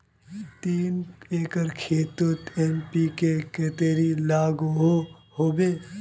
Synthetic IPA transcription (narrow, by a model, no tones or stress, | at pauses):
t̪iːneːkəɾkʰeːt̪ut̪eːmpikeket̪eːɾilaːɡɦoɦoːbeː